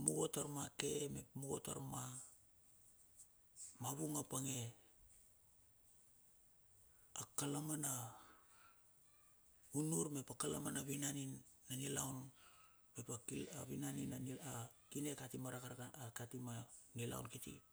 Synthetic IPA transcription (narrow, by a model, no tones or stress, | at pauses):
muɡo̞taɾmake̞mepmuɡo̞̰ta̰ɾma | maβuŋapaŋe̞ | akalamana | unuɾme̞pakalamanaβinaninːanilawn | me̞pakila̰βinaninaniakine̞katimaɾakaɾakatimanila̰w̰nkitḭ